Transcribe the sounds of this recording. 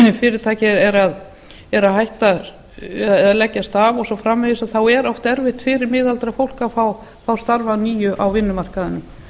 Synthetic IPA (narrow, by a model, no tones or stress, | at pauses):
fɪːɾɪɾt̪ʰaːjcɪɾɛɾað | ɛɾaɦajht̪a | ðalɛcːast̪avɔsɔfɾamːɪðɪsaðθawɛɾɔft̪ɛɾvɪht̪fɪːɾɪɾmɪːðalt̪ɾafowl̥kafaw | fawst̪aɾvaniːjʏʔawvɪnːʏmar̥kaðɪnːʏm